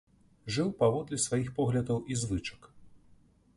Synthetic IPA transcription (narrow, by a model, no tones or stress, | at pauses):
ʐɨwpavɔd̪lʲɛsvajixpɔɣlʲɐd̪ɐwʔizvɨt͡ʂɐ̥k